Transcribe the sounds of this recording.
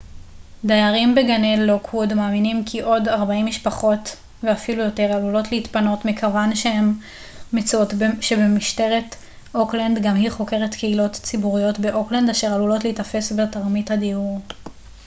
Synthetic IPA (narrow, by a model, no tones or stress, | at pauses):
dajaʁimbeɡanelːokʰudmaːminimkʰiʔo̞daʁbaimːiʃpaχo̞t | veafilujo̞te̞ʁalulo̞tleitpano̞tmikʰavanʃehemː | et͡sotʃebemiʃte̞ʁet | ʔoklandɡamhiχo̞ke̞ʁetkʰeilo̞tt͡sibuʁijo̞tbe̞ʔo̞klandaʃe̞ʁalulo̞tleitafe̞sbetaʁmithadiuʁ